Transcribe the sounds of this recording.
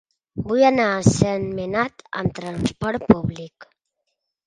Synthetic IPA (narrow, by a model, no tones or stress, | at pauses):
bujanasenmenat̪ə̰mt̪ɾanspɔɾt̪̚puβlik